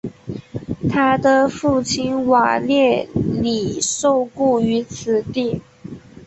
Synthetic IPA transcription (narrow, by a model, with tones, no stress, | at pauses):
t̪ʰa˥d̪ə˨fu˥˩t͡ɕʰi˥nwa̰˨˩ljɛ˥˩li˨˩ʂo˥˧ʊku˥˩y˧˥t͡sʰɹ̩˨˩t̪i˥˩